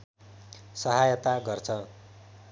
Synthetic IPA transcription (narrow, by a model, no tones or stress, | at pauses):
sʌɦajt̪aɡʌrt͡sʰʌ